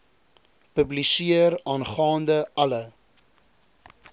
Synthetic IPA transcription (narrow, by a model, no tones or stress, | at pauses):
pəblisiəɾɑːnχɑːndəɐlə